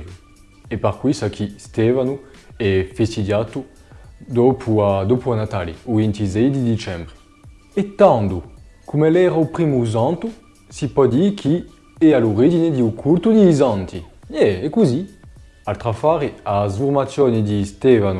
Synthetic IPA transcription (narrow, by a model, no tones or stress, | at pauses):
epaʁkwisakʰist̪ɛvanu | ɛfest̪id̪jat̪u | d̪ɔpʰuad̪ɔpuanat̪alḭuvint̪izɛjd̪id̪it͡ʃɛmbʁi | et̪ãnd̪u | kumɛlɛʁaupʁimuzãnt̪u | sipɔd̪ikʰi | ɛaluʁid͡ʒined̪iukʰult̪ud̪iːzãnt̪ʰijɛekuzi | alt̪χafaʁiazuʁmat̪sjɔnid̪ist̪ɛvanu